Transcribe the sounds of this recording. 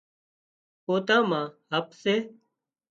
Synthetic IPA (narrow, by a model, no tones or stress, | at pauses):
poːt̪ãːmãːɦəpseː